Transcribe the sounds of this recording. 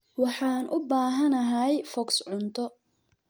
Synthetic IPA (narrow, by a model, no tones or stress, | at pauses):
wɑħɑːnʔʊbaːɦɐnɐɦɐjfɔksʕʊnt̪ʰɔ